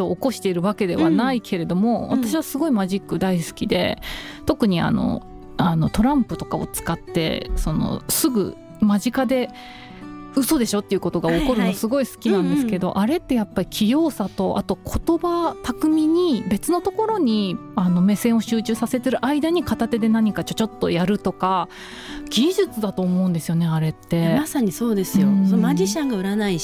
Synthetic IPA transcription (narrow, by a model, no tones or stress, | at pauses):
oːko̞ɕi̥t̪e̞iɾɯ̟βake̞d̪e̞βanaikʰe̞ɾe̞d̪o̞mo̞βa̰t̪aɕiβ̞asɨɡo̞imaʑikːɯ̟d̪aisɨ̥kʲid̪e̞̰t̪o̞kɯ̟ɲ̟ia̰no̞̰ | ano̞t̪o̞ɾãmpɯ̟t̪o̞kao̞̰t͡sɨ̥kat̪ːe̞̰so̞no̞̰sɨɡɯ̟̰ | maʑikad̪e̞ | ɯ̟so̞d̪e̞ɕo̞t̪ːeiɯ̟ko̞t̪oɡaoko̞ɾɯ̟nosɨɡo̞isɨ̥kʲinãnd̪e̞sɨke̞d̪o̞̰ʔaɾe̞t̪ːe̞japːaɾʲikʲʰijo̞ːsat̪o̞ʔa̰t̪o̞kʰo̞t̪o̞bat̪akɯ̟mʲiɲ̟ibe̞t͡sɨnot̪o̞ko̞ɾo̞ɲ̟iano̞me̞sẽ̞ɰ̃o̞ɕɨːt͡ɕɨːsase̞t̪e̞ɾɯ̟ʔaid̪aɲ̟ikat̪at̪e̞d̪e̞naɲ̟ikat͡ɕo̞t͡ɕo̞t̪ːo̞jaɾɯ̟t̪o̞ka | ɡ̥ʲiʑɨt͡sɨd̪at̪o̞ːmo̞ɯ̟̃nd̪esɨjo̞ne̞aɾe̞t̪ːe̞masaɲ̟iso̞ːd̪e̞sɨjõsomad͡ʑiɕãŋɡaɯ̟ɾanai